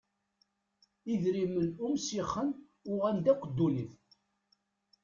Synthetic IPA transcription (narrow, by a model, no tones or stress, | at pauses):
iðɾimənumsiχːən | ʊʁænd̪æqəd̪ːuniθ